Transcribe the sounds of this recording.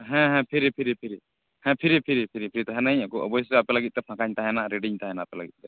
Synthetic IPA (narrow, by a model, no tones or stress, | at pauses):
ɦɛ̃ɦɛ̃pʰiɾipʰiɾipʰiɾi | hɛ̃pʰiɾipʰiɾipʰiɾipʰiɾit̪aɦɛnajakɔʔɔ̰bɔjsɛapɛlaɡit̪̚ˀt̪ɛpʰãkaɲt̪aɦɛnaɾeɖiɲt̪aɦɛnaapɛlaɡit̪̚t̪ɛ